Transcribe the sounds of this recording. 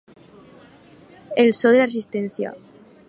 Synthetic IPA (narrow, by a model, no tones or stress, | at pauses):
elsoðelares̬ist̪ɛnsja̰